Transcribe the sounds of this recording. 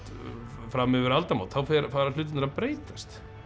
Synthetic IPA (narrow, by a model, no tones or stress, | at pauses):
t̪ | fɾamɪvʏɾalt̪amaːwt̪θawfɛɾfaːɾḁl̥ʏːt̪ɪnaɾapɾeːjt̪ast̪